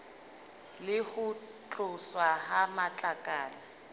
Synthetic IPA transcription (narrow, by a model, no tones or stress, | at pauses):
lɪhʊ | t͡ɬʼʊswahamat͡ɬʼakʼaːla